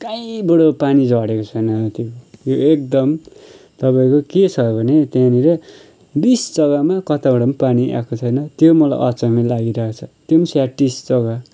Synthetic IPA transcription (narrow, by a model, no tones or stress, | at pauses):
kajibʌɽopanid͡zʱʌɽekot͡sʰʌjnʌt̪jojoek̚d̪ʌm | t̪ʌpaĩkoket͡sʰʌbʱʌnet̪jãniɾʌ | bisd͡zʌɡamakʌt̪abʌɽʌmapaniʔa̰kot͡sʰʌjnʌt̪jomʌlaj̰ʔʌt͡sʌmilaɡiɾʌɦkot͡sʰʌt̪jomisaʈːisd͡zʌɡa